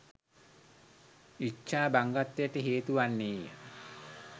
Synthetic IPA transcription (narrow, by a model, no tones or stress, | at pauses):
it͡ʃːaːbaŋɡat̪ːejəʈəɦeːt̪uʋanːeːjə